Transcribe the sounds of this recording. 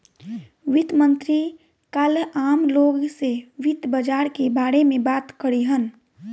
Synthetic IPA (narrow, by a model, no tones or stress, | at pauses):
ʋɪt̪mənt̪ɾi | kalaːmloːɡseʋɪt̪bəd͡ʒaːɾkebaːɽemẽbaːt̪kəɾiɦən